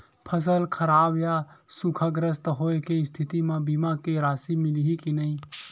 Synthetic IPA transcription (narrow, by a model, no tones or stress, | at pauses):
pʰəs̬əlkʰəɾaːbjasukʰaɡɾəst̪ɦoːekeɪst̪ʰɪt̪imãbimakeɾaːsimɪliɦikinəɦĩ